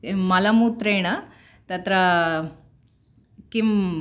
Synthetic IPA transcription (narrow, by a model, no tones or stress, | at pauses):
mɐlɐmuːt̪ɾeːɳɐ | t̪ɐt̪ɾɐ | kim